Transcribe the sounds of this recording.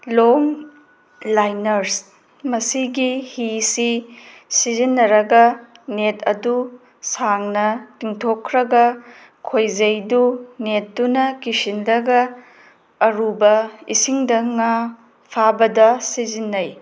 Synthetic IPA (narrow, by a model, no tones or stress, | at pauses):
loŋ | lajnɐɾs | mɐsiɡihisi | sizinːɐɾɐɡɐnetʰɐ̰du | saŋnɐtiŋtʰokʰːɾɐɡɐ | kʰojzɐjdunet̚dunɐkisinlɐɡɐː | ɾubɐḭsiŋdɐŋa | pʰabɐdɐsizinːɐj